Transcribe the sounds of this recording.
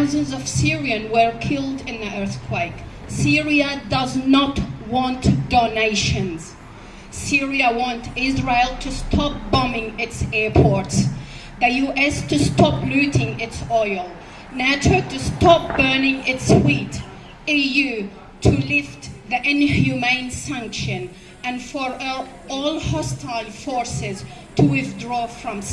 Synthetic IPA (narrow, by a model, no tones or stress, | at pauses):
ʊzɨ̃nzʌv̥sɪɹiɨ̃nwə˞kʰɪlˠdɪ̃nðiʔɜ˞θkʰw̥eɪk | sɪɹiədʌznətwɑ̃ntd̥oneɪʃɨ̃nz̥ | sɪɹiəwɑ̃ntɪzɹeɪlˠtʰɨstʰɑp̚b̥ʌmɪ̃ŋɪtsɛɹpʰɔɹts | ðɨjuʔɛstʰɨstʰɑpluɾɪ̃ŋɪtsɔɪlˠ | nat͡ʃətɨstʰɑp̚b̥ɜ˞nɪ̃ŋɪtswit | ijʉ | tʰɨlɪftðiʔɪ̃nhjumẽɪ̃nsãŋkʃɨ̃n | ɨ̃nfəɹ | ɔlˠhɔstʰaɪlfɔɹsɪz̥ | tʰɨwɪθdɹɔfɹʌ̃m